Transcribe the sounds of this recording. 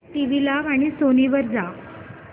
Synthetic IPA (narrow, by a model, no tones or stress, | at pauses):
ʈiʋilaʋaɽ̃isoniʋəɾd͡za